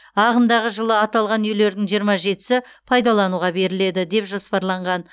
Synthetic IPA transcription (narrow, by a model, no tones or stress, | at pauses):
ɑʁəmd̪ɑʁəʒəlˠəɑt̪ɑlˠʁɑnjele̞ɾd̪ɪŋʒijəɾmɑʒe̞t̪ɪ̥sɪ | pʰɑjd̪ɑlˠɑnuʁɑbe̞ɾɪle̞d̪ɪd̪e̞pʒo̞spɑɾlˠɑɴʁɑn